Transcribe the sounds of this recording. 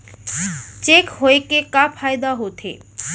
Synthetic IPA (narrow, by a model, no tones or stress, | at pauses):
t͡ʃekɦoekekapʰajd̪aɦot̪ʰḛ